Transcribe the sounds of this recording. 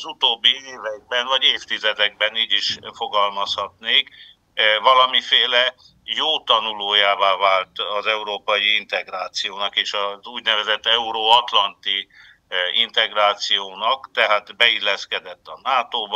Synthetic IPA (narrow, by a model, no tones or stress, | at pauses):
zut̪oːbːieːvɛɡ̚bɛnvɒɟeːft̪izɛd̪ɛɡ̚bɛniːɟiʃfo̞ɡɒlmɒshɒt̪neːk | vɒlɒmifeːlɛ | joːt̪ɒnuloːjaːvaːvaːlt̪ɒzɛuɾoːpɒjiint̪ɛɡraːt̪sijoːnɒkeːʃɒzuːɟnɛvɛzɛt̪ːɛuɾoːɒt̪lɒnt̪i | int̪ɛɡraːt̪sijoːnɒkt̪ɛɦaːt̪bɛilːɛskɛd̪ɛt̪ːɒnaːt̪oːb